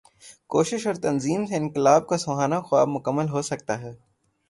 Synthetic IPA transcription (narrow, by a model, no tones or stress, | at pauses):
koːʃɪʃɔːɾt̪ɐnziːmseɪnkɪlaːb̚kasɐɦaːnaxʊaːbmʊkəmːəlɦosɐk̚t̪aɦɛː